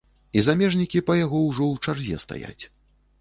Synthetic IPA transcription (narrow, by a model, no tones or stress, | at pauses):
izamʲɛʐnʲikʲipɐjaɣɔwʐɔwt͡ʂarzʲjɛ̰st̪a̰ja̰t͡sʲ